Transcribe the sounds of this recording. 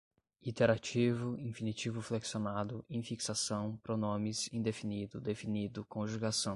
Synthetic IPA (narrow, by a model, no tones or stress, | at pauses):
it̪eɾat͡ʃivʊĩfinit͡ʃivʊfleksjonad̪ʊẽfiksasɐ̃w̃pɾɔnõmɪsĩd̪efinid̪ʊd̪efinid̪ʊkõʒuɡasɐ̃w̃